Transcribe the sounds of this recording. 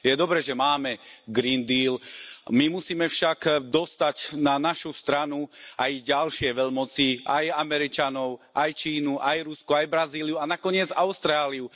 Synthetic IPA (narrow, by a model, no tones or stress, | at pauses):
jɛd̪ɔbɾɛːʒɛmaːmɛɡɾind̪iːlmimusiːmɛfʃaɡd̪ɔst̪acnanaʃust̪ɾanuʔajɟalʃɪɛʋɛʎmɔt͡siʔa̰jamɛɾit͡ʃanɔʊʔajt͡ʃiːnuʔajɾuskuajbɾaziːlijuanakɔɲɪɛd͡za̰ʊst̪ɾaːliu